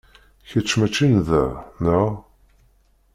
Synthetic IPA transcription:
çət͡ʃːmæt͡ʃːinðænæ

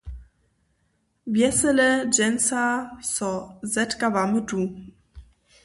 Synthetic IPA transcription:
vjɛsələd͡ʒɛnsasɔzɛtkavamədu

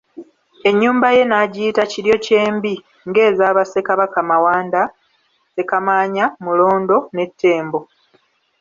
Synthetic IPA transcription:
e̞ɲːuːmbaje̞naːɟiːtaciɾjo̞ce̞ːmbi | ŋɡe̞ːzaːβase̞kaβakamawaːnda | se̞kamaːɲamulo̞ːndo̞ne̞tʰːe̞ːmbo̞

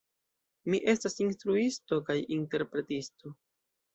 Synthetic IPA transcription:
miʔe̞stasinstɾuistokajinte̞ɾpɾe̞tisto̞

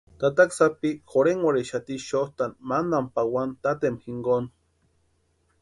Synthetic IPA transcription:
t̪at̪aksapixoɾeŋwaɾeʃat̪iʃoht̪anmandampawant̪at̪emhiŋɡon

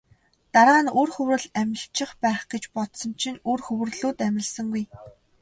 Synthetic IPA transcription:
t̪aɾʁaːnurxɵwɾɘ̆ɮæmʲɪ̆ɬt͡ɕɪ̆χpæːχɡ̥et͡ɕpɔt̪sɞ̆nt͡ɕʰinurxɵwɘ̆rɮuːt̪æmʲɪ̆ɮsə̆ŋɡuj

